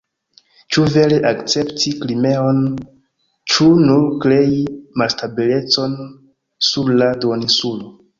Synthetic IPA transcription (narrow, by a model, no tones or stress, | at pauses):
t͡ʃuve̞leʔakt͡se̞ptiklime̞o̞n | t͡ʃunuɾkɾe̞jimalstabile̞t͡so̞n | suɾladonisulo